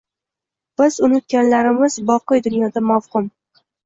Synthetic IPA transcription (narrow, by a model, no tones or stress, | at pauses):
b̥ɪzʊnɪt̪̚ɡʲanlaɾɪmɪz̥bɒqɨjd̪ʊnjɒd̪amafhʊm